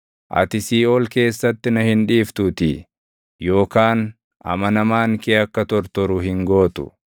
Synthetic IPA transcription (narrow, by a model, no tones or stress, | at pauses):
ʔɐ̰t̪ɪsiːoːlke̞ːsːɐt̪ːɪnɐhɪnᶑiːft̪ʊt̪ɪ | jo̞ːkaːn | ʔɐ̰mɐnɐmaːŋkeːɐkːɐt̪ɔɾt̪ɔɾʊɦɪŋɡo̞ːt̪ʊ̰